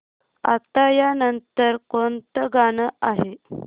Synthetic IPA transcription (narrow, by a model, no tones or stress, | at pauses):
a̰t̪ajanənt̪əɾkont̪əɡanəʔaɦe